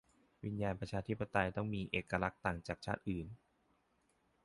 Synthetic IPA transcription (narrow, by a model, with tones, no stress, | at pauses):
wi˧njaː˧npɾa˧t͡ɕʰaː˧t̪ʰi˦˥pːa˧t̪a˧jt̪ɔ˥˩ŋmiː˧ʔeː˨˩kːa˧la˦˥k̚t̪aː˨˩ŋt͡ɕaː˨˩k̚t͡ɕʰa̰ː˥˩t̪̚ʔɯː˨˩n